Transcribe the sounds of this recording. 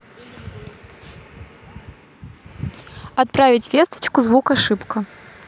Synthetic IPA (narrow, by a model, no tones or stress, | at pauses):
at̪̚pɾavʲit͡sʲvʲɛst̪ɐ̥t͡ʃkuzvukaʂɨpkɐ